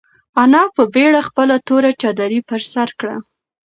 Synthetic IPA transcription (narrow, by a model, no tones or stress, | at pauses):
anɑpəbeɽaxpəlat̪oɾat͡ʃɑd̪aɾipəɾsaɾkɽa̰